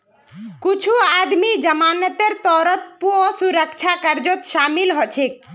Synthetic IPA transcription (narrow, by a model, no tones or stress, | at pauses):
kut͡ʃʰuad̪mid͡ʒəmanət̪eɾt̪ɔɾət̪̚puɔsuɾəkt͡ʃʰakəɾd͡ʒot̪ʃamilɦɔt͡ʃʰek̚